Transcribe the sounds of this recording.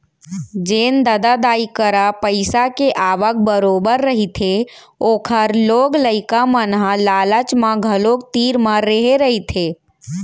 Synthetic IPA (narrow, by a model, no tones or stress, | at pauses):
d͡ʒeːnd̪ad̪ad̪aːikəɾapəɪsakeʔaːʋək̚bəɾoːbəɾːəɦit̪ʰe | oːkʰəɾloːɡləɪkamənɦãlaːlət͡ʃmãɡʱəloːk̚t̪iːɾməːeɦeɾəɦit̪ʰeː